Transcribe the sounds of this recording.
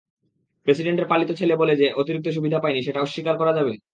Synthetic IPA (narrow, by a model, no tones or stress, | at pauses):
pɾesiɖeɳʈeɾpalit̪ot͡ɕʰeleboled͡ʑeʔot̪iɾik̚t̪oʃ̬ubʱid̪ʱapaeniʃeʈaoʃːikaɾkɔɾad͡ʑabe